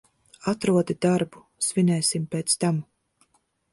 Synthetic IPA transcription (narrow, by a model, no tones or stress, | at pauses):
at̪ɾuɔd̪id̪aɾbu | svʲinɛːsimpeːt̪st̪am